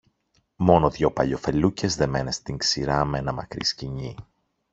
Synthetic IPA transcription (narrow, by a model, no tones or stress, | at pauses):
mo̞noðʝo̞pɐʎo̞fe̞luce̞zðe̞menest̪iŋksiɾɐmenɐmɐ̰kɾḭsciɲi